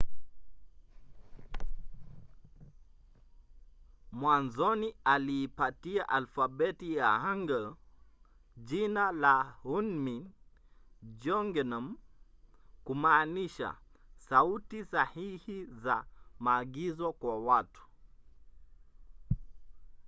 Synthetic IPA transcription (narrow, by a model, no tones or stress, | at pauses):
mwanzɔnialiːpatiaʔalfaɓɛtijahaŋɡə | d͡ʒinalahunmin | d͡ʒɔŋɡɛnam | kumaːniʃa̰sautisahihizamaːɡizɔkwawatu̥